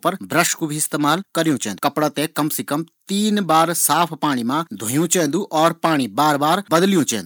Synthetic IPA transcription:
pɐɾbɾəʃkubʱiɪst̪eːmaːlkɐɾijũt͡ʃɛ̃ːnd̪ukɐpɽat̪ẽkɐmsekɐmt̪iːnbaːɾsaːpʰpaːɽ̃imãd̪ʱʊ̃jũt͡ʃɛ̃ːnd̪ũʔɔːɾpaːɽ̃ibaːɾbaːɾbɐd̪lijũːt͡ʃɛ̰̃ːnd̪

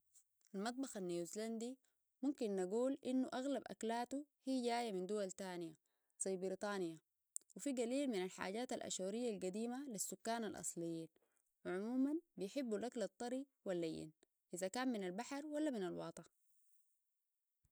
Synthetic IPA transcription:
ʔalmɑt̪̚ˤbɑxanːijuzland̪i | mumkinːaɡuːlʔinːuʔaɣlabʔa̰klaːt̪uhiːɟaːjamind̪uwalt̪aːnija | sˤbiɾit̪ˤɑːnija | wifiɡaliːlminalħa̰ːɟaːt̪alʔa̰ʃuːɾijːalɡad̪iːmalisːukːaːnalʔɑ̰sˤlijːiːn | wiʕʊmuːmanbijħibːulʔaklɑt̪ˤːɑɾi | walːajːḭn | ʔizakaːmminalbaħaɾwalːaminalwɑ̰ːt̪ˤɑ

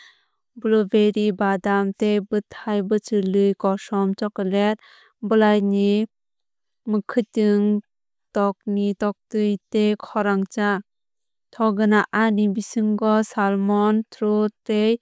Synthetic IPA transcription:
blɔbeɾibadamtebɯtʰajbɯt͡ʃɯlɯjkɔsɔmt͡ʃɔkɔlet̚ | bɯlajni | mɯkʰɯtɯŋ | tɔk̚nitɔk̚tɯjtekʰɔɾaŋt͡ʃa | tʰɔɡɯnaʔanibisɯŋɡɔsalmɔntʰɾutej

